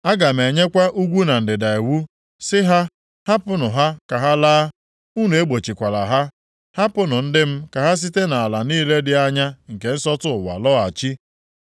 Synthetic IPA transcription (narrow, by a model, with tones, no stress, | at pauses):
a˦ɡa˨m̩˨e˨ɲe˦kʷa˦ʔu˦ɡʷu˦na˨n̩˨dɪ˨da˨e˨wu˦ | sɪ˦ɦa˦ | ha˦pʊ˦nʊ˨ɦa˦ka˨ɦa˦laː˦ | u˦nu˨e˦ɡ͡bo˨t͡ʃi˨kʷa˨la̰˨ɦa˦ | ha˦pʊ˦nʊ˨n̩˦dɪ˦m̩˦ka˨ɦa˦s̬i˦te˦na˨a˨la˨niː˦le˦dɪ˨a˦ɲa˦ŋ̩˨ke˨n̩˦sɔ˦tʊ˦ʊ˨wa̰˨lɔ˦a˨t͡ʃi˦